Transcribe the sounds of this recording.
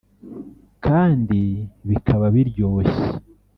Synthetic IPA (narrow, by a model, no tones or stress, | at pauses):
kʰaːndiβikʰaβaβiɾɟo̞ːçe̥